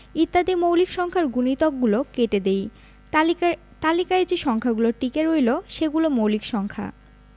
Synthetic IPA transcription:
it̪ːad̪imowlikʃɔŋkʰaɾɡunit̪ɔk̚ɡulokeʈed̪ej | t̪alikaed͡ʑiʃɔŋkʰaɡuloɾʈikeɾojloʃeɡulomowlikʃɔŋkʰa̰

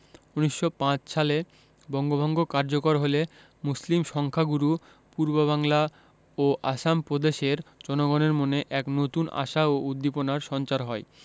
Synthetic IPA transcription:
uniʃːopãt͡ɕʃale | bɔŋɡobʱɔŋɡokaɾd͡ʑokoɾɦole | muslimʃɔŋkʰaɡuɾu | puɾboβaŋla | oʔa̰ʃampɾod̪eʃeɾd͡ʑɔnoɡoneɾmoneʔɛknot̪una̰ʃaoud̪ːiponaɾʃɔnt͡ɕaɾɦɔe

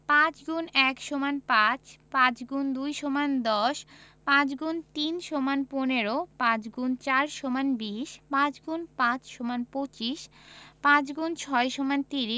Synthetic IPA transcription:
pãt͡ɕɡunɛkʃomanpãt͡ɕpãt͡ɕɡund̪ujʃomand̪ɔʃpãt͡ɕɡunt̪inʃomanponeɾopãt͡ɕɡunt͡ɕaɾʃomanbiʃpãt͡ɕɡunpãt͡ɕʃomanpot͡ɕiʃpãt͡ɕɡunt͡ɕʰɔeʃomant̪iɾi

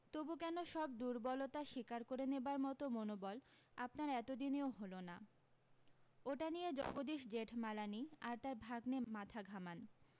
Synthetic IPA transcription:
t̪obukɛnoʃɔb̚d̪uɾbɔlot̪aʃikaɾkoɾenebaɾmɔt̪omonobɔl | apnaɾɛt̪od̪ineoɦolona | oʈanijed͡ʑɔ̰bod̪iʃd͡ʑeʈʰmalaniaɾt̪aɾbʱaɡnemat̪ʰaɡʱaman

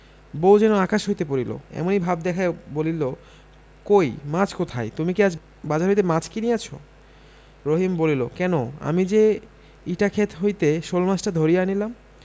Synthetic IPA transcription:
bowd͡ʑɛnoakaʃɦojt̪ep̬oɾilo̰ɛ̰monibʱabd̪ɛkʰaebolilo | kojmat͡ɕʰkot̪ʰajt̪umikiad͡ʑ | bad͡ʑaɾɦojt̪̬emat͡ɕʰkiniat͡ɕʰo̰ | ɾoɦimbolilo̰kɛnoa̰mid͡ʑe | iʈakʰet̪ʰɦojt̪eʃolmat͡ɕʈad̪ʱoɾijeanilam

